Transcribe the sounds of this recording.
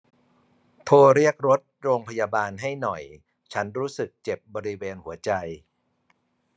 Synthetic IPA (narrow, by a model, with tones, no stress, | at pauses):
t̪ʰoː˧ɾi˥˩ək̚ɾo˦˥t̪̚ɾoː˧ŋpʰa˧jaː˧baː˧nɦa˥˩jnɔ˨˩j | t͡ɕʰa˦˥nɾuː˦˥sɯ˨˩k̚t͡ɕe˨˩p̚bɔː˧ɾi˦˥weː˧nhu˩˦ɐt͡ɕa˧j